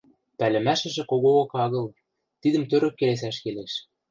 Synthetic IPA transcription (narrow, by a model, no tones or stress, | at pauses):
pælɘ̆mæʃɘ̆ʒĕkoɣookɑɣɤ̆l | t̪id̪ə̆mt̪øɾø̆k̚kːeles̬æʃkeleʃ